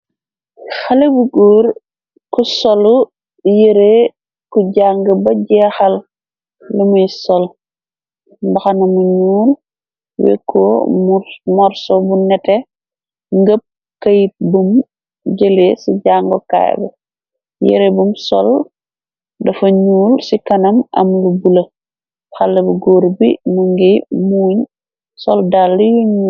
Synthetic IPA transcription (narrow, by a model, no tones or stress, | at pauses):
xɐlebuɡoːɾ | kusɔlu | jeɾe | kuɟaŋɡəbɐɟɛːxɐlː | umujsɔl | mbɐxɐnɐmuɲuːl | wḛkʰːɔumɔɾsɔbunɛtɛ | ŋɡəp̚ | kɐjit̚bum | ɟəlesiɟaːŋɡɔka̰j̰bɐ̰ | jḛɾebumsɔ̰l | dɐfɐɲuːlsikɐnɐmɐ̰mlubulɐ | xalːɐbuɡoːɾbḭmuŋɡimuːɲ | sɔldalːijuɲuː